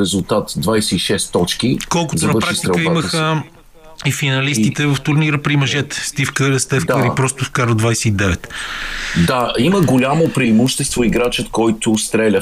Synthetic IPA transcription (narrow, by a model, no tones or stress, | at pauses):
ɾɛzʊlˠt̪at̪d̪vajsɛiʃɛst̪ːɔt͡ʃkikɔlˠkʊtt̪ʊnɐvəɾpɾʃakst̪iɾɛkəiaməxə | ifinɐlist̪it̪ɛvəft̪ʊɾniɾəpɾimɐʒɛt̪ɛ̥st̪ifkəɾəst̪ɛfk̪əɾipɾɔst̪ʊfkaɾod̪vajsɛid̪ɛvɛt̪ | d̪aiməɡolʲamopɾiːmuʃt̪ɛst̪voiɡɾat͡ʃət̪kɔjt̪ʊst̪ɾɛlʲə